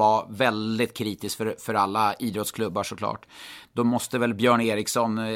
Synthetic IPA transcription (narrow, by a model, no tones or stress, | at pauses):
avɛld̪ɪt̪̚kʰɾiːt̪ɪskfœɾfœɾalːaiːd̪ɾɔt̪skʰlɵbːaʂɔklɑ̰ːʈd̪ɔmɔst̪əvɛlbjœːɳeːɾɪksɔn